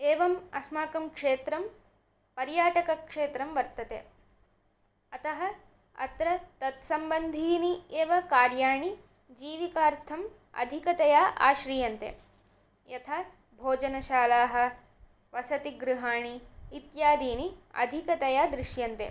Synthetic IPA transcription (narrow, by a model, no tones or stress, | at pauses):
eːʋɐmɐ̰smaːkɐmkʂeːt̪ɾɐm | pɐɾjaːʈɐkɐkʂeːt̪ɾɐmʋɐɾt̪ɐt̪ḛ | ɐt̪ɐɦɐ | ɐ̰t̪ɾɐt̪ɐt̪sɐmbɐnd̪ʱiːnieːʋɐkaːɾjaːɳi | d͡ʒiːʋikaːɾt̪ʰɐm | ɐ̰d̪ʱikɐt̪ɐjaːʔa̰ːʃɾiːjɐnt̪ḛ | jɐt̪ʰaː | bʱoːd͡ʒɐnɐʃaːlaːɦɐ̆ | ʋɐsɐt̪iɡɾuɦaːɳiːt̪jaːd̪iːniɐ̰d̪ʱikɐt̪ɐjaːd̪ɾɪʃjɐnt̪ḛ